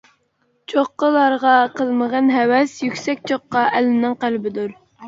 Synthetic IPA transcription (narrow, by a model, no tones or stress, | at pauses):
t͡ʃʰoqːəlˠɑɾʁɑqʰəlˠməʁənɦɛwɛsjykʲsɛk̚ʲt͡ʃʰoqːɑʔɛlɪnɪŋqælbɪd̪uɾ